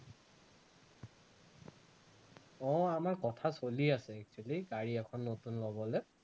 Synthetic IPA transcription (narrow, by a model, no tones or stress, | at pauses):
ɔ̃amaɹkɔtʰasoliasɛɛk̚t͡ʃualiɡaɹiɛkʰɔnːotunlɔbɔlɛ